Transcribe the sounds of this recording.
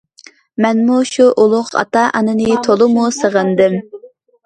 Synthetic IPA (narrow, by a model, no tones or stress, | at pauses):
mɛnmuʃuʔolˠʊqɑ̰t̪ɑʔɑnɨnɨt̪ʰolˠɨmusəʁənd̪ɨm